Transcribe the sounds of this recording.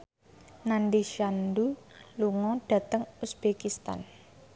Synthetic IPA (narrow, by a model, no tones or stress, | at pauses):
nandiʃand̪uluŋɔɖ̥a̤t̪əŋusb̥ekist̪a̰n